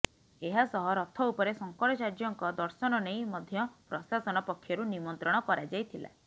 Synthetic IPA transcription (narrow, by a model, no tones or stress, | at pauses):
eɦasɔɦɔɾɔt̪ʰɔupɔɾesɔŋkɔɽɔt͡ʃaɾd͡ʒɔŋkɔd̪ɔɾsɔnɔnejmɔd̪ʱjɔpɾɔsasɔnɔpɔkʰːjɔɾunimɔnt̪ɾɔɽ̃ɔkɔɾad͡ʒajt̪ʰila̰